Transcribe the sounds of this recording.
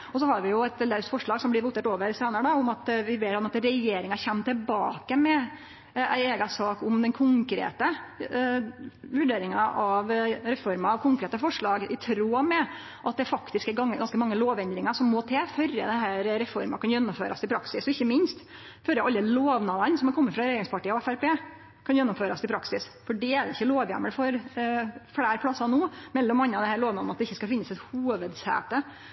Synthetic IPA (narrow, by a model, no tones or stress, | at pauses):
ɔs̬ɔɦɑɾʋɪjʊɛt̪ɛlæɾsfɔʂɭɑːɡsɔmb̪ɪɾʋuːt̪ːət̪oːʋəɾseːnəɾəɖɑʊmɑt̪ʋɪʋeːɾɑmɑt̪ɾɛjeːɾɪŋɑçɛmːt̪ɪlbɑ̰ːkəmɛ | æɪeːɡɑsɑːkʊmd̪ɛnkʰʊŋkɾḛːt̪ə | ʋʉɖeːɾɪŋɑʔɑʋɾɛfɔɾmɑɑʋkʰʊŋkɾeːt̪əfɔʂɭɑːɡɪt̪ʰɾoːmɛ | ʔɑt̪̚d̪ɛfɑkt̪ɪskɛɾɡɑŋːəɡɑnskəmɑŋːəloːʋɛnd̪ɾɪŋɑʂɔmːoːt̪ʰɛfœɾə̰d̪ɛnɦæːɾɾɛfɔɾmɑkɑnjɛnːʊmføːɾɑst̪ʰɪpʰɾɑksɪsɔɪçːəmɪnst̪ | fœɾəʔɑlːəloːʋnɑd̪ənsɔmɛkɔmːəfɾɑɾɛjeːɾɪŋspɑʈiːəɔɛfæɾpeː | kʰɑnjɛnːʊmføːɾɑst̪ɪpʰɾɑksɪsfɔɖɛæɖ̪ɛɪçːəloːʋjæ̰mːəlfɔɾ | fɽæːɾpʰlɑsːɑnoːmɛlːɔmɑnːəɑʋd̪ɛnhæːɭloːʋnɑd̪nɑt̪d̪ɛɪçːəskɑlfɪnːəsɛt̪huːʋəd̪sæ̰ːt̪ə